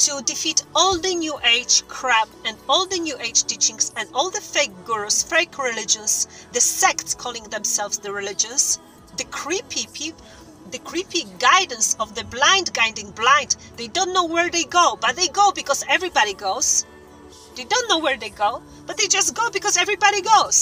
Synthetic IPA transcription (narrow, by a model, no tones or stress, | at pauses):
tʰudɨfitɔlˠðɨnjuʔeɪ̥d͡ʒkʰɹ̥æbɨ̃ndɔlˠðɨnjuʔeɪd͡ʒtit͡ʃɪ̃ŋsɨ̃nɔlˠðəfeɪk̚ɡ̥uɹosfeɪkʰɹɪlɪd͡ʒə̃nzðɨsɛktskʰɔlˠɪ̃ŋðɛ̃msɛlˠvzðɨɹɪlɪd͡ʒɨ̃ns | ðɨkʰɹ̥ipʰipʰi | ðɨkʰɹ̥ipiɡaɪdə̃n̩sɔvðɨblãɪ̃ndɡaɪ̃ndɪ̃ŋblãɪ̃nd | ðeɪdõʊ̃nːoʊwɛɹðeɪɡoʊbʌt̪̚ðeɪɡoʊbɨkɔzɛvɹibɑɾiɡoʊz̥ | ðeɪdõʊ̃nːoʊwəɹðeɪɡoʊ | b̥ʌt̪̚ðeɪd͡ʒʌstɡ̥oʊbɨkɔzɛvɹibɑɾiɡoʊz̥